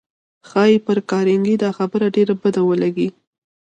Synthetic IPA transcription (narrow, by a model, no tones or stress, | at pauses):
xɑjepəɾkɑɾɪŋɡid̪ɑxabəɾaɖeɾabəd̪awəlaɡi